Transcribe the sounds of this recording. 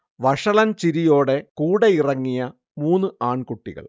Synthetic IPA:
ʋɐʂɐɭɐnt͡ɕiɾijo̞ːɽe̞kuːɽeirɐŋːijɐ | muːnːɨʔaːɳkuʈːiɣɐ̰ɭ

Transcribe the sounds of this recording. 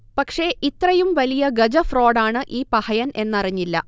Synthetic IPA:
pɐkʂe̞ʔit̪rɐjumʋɐlijɐɡɐd͡ʑɐfro̞ːɽaːɳɨʔiːpɐhɐjɐne̞nːɐriɲːilːɐ̰

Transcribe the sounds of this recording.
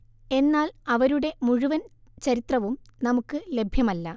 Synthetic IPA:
e̞nːaːlɐʋɐɾuɽe̞muɻuʋɐnt͡ɕɐɾit̪rɐʋumnɐmukːɨle̞bʱjɐmɐlːɐ

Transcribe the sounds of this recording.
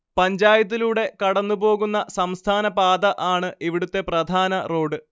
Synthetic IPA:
pɐɲd͡ʑaːjɐt̪̬ːiluːɽe̞kɐɽɐnːubo̞ːɣunːɐsɐmst̪ʰaːnɐpaːd̪ɐʔaːɳɨʔiʋiɽut̪ːe̞prɐd̪ʱaːnɐro̞ːɖɨ

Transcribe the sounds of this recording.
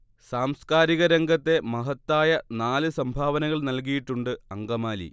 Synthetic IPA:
saːmskaːɾiɣɐɾeŋɡɐt̪ːe̞mɐɦɐt̪ːaːjɐnaːlɨsɐmbʱaːʋɐnɐɣɐɭnɐlk̬ijiʈːuɳɖɨɐŋɡɐmaːlḭ

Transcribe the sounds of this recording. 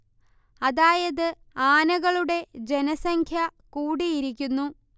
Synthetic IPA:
ɐðaːjɐðɨ | aːnɐɣɐɭuɽe̞d͡ʑe̞nɐsɐŋkʰjɐkuːɽijiɾik̬ʲːunːu

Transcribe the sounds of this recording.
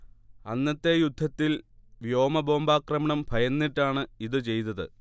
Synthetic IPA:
ɐnːɐt̪ːe̞jud̪ʱːɐt̪ːilʋjo̞ːmɐbo̞ːmbaːkrɐmɐɳɐmbʱɐjɐnːiʈːaːɳɨiðɨt͡ɕe̞jt̪̬ːɐðɨ̰

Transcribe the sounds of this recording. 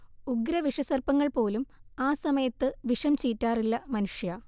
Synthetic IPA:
uɡɾɐʋiʂɐsɐrpɐŋːɐɭpo̞ːlumaːsɐmɐjɐt̪ːɨʋiʂɐmt͡ɕiːtːaːrilːɐmɐnuʂjaː

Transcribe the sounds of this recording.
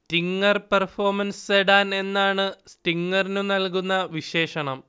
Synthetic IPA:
stiŋɡɐrpɐrfo̞ːrmɐnseɽaːne̞nːaːɳɨstiŋɡɐrinunɐlkunːɐʋiɕe̞ːʂɐɳɐm

